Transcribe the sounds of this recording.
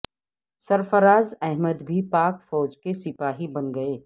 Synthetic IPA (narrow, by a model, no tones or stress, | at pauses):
sɐɾfəɾaːzɛɦməd̪bʱipaːkfɔːd͡ʒkesɪpaːɦibɐnɡɐeː